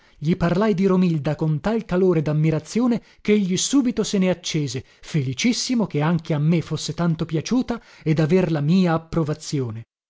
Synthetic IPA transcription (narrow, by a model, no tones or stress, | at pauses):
ʎiparlajd̪iɾomild̪akont̪alkaloːɾed̪amːiɾat̪sːjoːne | keʎːisuːbit̪oseneat͡ʃːɛːze | felit͡ʃisːimokeaŋkeamːefosːet̪ant̪opjat͡ʃuːt̪a | ed̪averlamiːaːpːɾovat̪sːjoːne